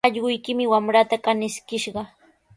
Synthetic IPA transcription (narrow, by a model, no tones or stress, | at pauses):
ɑʎɢʊjkɪmɪwamɾat̪akanɪskɪʃɢɑ